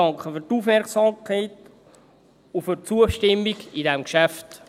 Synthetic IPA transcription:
ɑŋkχəfyɾtufmɛɾksɑmkʰaɪt | ufyɾt͡suəʃtɪmːiɡidɛmkʃæft

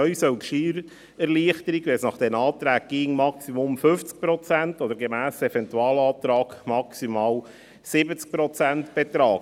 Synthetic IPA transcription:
œɥsœlkʃiɾ | ɛɾliəχtəɾiɡʋɛsnɑχd̥ɛnɑːt̪ɾæːɡ̚ɡ̥iːŋmɑksimʊmfʏft͡sk̚pɾɔt͡sæntɔd̥əɾɡemæːsɛfɛntuɑːlɑːt̪ɾɑːɡmɑksimɑːl | sɪbət͡sk̚pɾɔt͡sæntb̥ɛt̪ɾɑːɡ

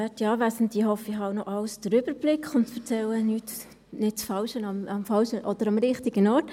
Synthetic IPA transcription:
ɛtiɑːvæsəntihɔfɪhɑwnɔʔɑwsdəɾʏbəɾb̥lɪkχʊntfəɾt͡sɛlːənyt | nɪt̚t͡sfɑlʃənɑmɑmfɑlʃəʔɔd̥̪əɾɑmɾɪχtiɡənɔɾt

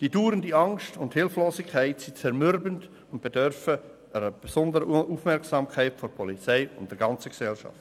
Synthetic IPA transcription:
d̥iːduːɾəndiɑŋstʊnthɪlfloːsɪkʰaɪtsit͡sɛɾmʏɾbənd | ʊnt̚b̥edœɾfə | əɾəb̥esʊndəɾəuːfmɛɾksɑmkʰaɪtfoɾpʰɔlit͡sɛɪʊ̰ntd̥ɛɾɡɑnt͡səksɛlʃɑ̰ft

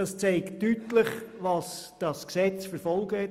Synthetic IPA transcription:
ɑst͡seɪktytləχʋɑsd̥ɑsksɛt͡sfəɾfɔlˠɡ̥əhɛ

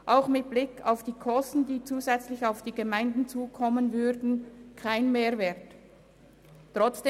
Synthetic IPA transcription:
ʔaʊxmɪt̚b̥lɪkaʊfd̥iːkʰɔstn̩d̥iːt͡suːzɛt͡slɪçaʊfd̥iːɡəmaɪndn̩t͡suːkʰɔmənvʏdn̩kʰaɪnmeːɐvɛːɐt | tːʁ̥ɔt͡sd̥e

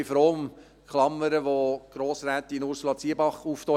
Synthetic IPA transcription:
ifɾoːm | kʰlɑmːəɾəʋoɡ̥ɾoːsɾæːt̪inʊɾsulɑt͡siəbɑχuːft̪ɔ

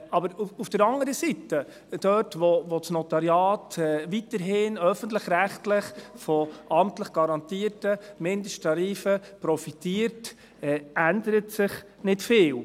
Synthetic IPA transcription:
ɑbəɾufd̥əɾɑŋəɾəsitə | d̥œtʋɔʋot͡snɔt̪ɑɾjɑːtɛʋitəɾɦɪːnœfəntlɪχɾæχtlɪχfɔʔɑmtləχɡ̥ɑɾɑnt̪iːəɾtəmɪndəʃtʰɑɾiːfəpɾɔfitiːəɾt | ɛændəɾətsɪχ | nɪtfɪːl

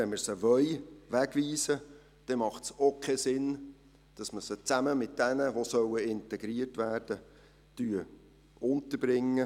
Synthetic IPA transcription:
ɛnməɾsəʋœʏʋæɡ̥ʋiːsə | d̪̥ɛmɑχtsokʰɛsɪn | d̥ɑsməsət͡sæməmɪt̚d̥ɛnəʋosœwəɪntɛɡ̥ɾiərtʋæːrd̥ə | tyːə | ʔʊntəɾbɾɪŋːə

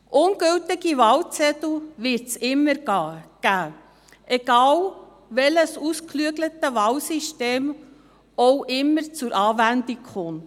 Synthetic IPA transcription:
ʔʊnɡɵltɪɡiʋɑlt͡sɛt̪l̩ʋɪɾtsɪmːəɾɡ̥æː | ʔɛɡ̥ɑːl | ʋɛləsusklyəɡlət̪əʋɑlsiʃteːm | ɔwʔɪmːəɾt͡sʊɾʔɑːvænd̪ikχʊnt

